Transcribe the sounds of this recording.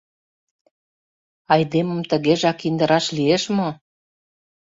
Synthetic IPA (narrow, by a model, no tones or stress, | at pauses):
ɑjd̪emə̆mt̪ə̆ɣeʒɑkind̪əɾɑʃlieʃmo